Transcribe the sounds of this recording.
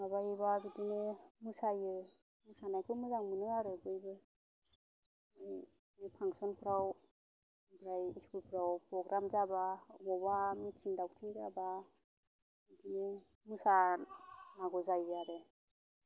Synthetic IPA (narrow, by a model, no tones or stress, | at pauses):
abajbabidinemusajɯ | musanajkʰɯmɯzaŋmɯnɯaɾɯbɯjbɯ | mɯj | mɯjpʰaŋsɔnpʰɯɾaw | bɾajiskulpʰɯɾawpɾɔɡɾamzababɔbamit͡ʃiŋdawtʰiŋzaba | bidine | musa | naɡɔzajɯaɾɯ